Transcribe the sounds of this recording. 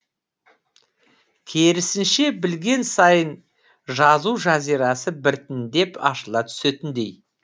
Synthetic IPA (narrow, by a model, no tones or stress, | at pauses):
kʲʰeɾɪsɪnʃe̞bɪlɡʲe̞nsɑjən | ʒɑzuwʒɑzijɾɑsəbɪɾt̪ɪnd̪e̞pɑʃəlˠɑt̪ʰʏ̥set̪ɪnd̪e̞j